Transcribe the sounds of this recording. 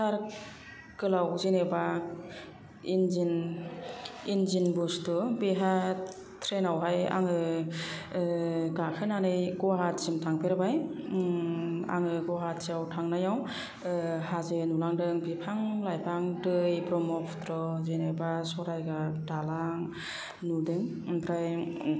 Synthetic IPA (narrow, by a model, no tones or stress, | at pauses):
saɾ | kɯlawzeneba | inzin | inzinbustubeɦa | tʰɾenawɦaja̰ŋɯ | ɡakʰɯnanɯjɡɔɦat̚zimtʰaŋpʰeɾbaj | a̰ŋɯɡɔɦat̚siawtʰaŋnajaw | hazɯnulaŋdɯŋbipʰaŋlajpʰaŋdɯjbɾɔmɔpʰtɾɔzenebasɔɾajɡadalaŋ | nudɯŋ | pʰɾaj